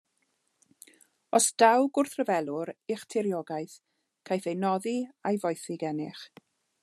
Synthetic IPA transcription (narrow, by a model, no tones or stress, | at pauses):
ɔsd̥awɡʊrθrəvɛlˠʊɾɪχtʰɪɾjɔɡajθ | kʰajθejnɔðiajvɔjθɪɡɛnɪχ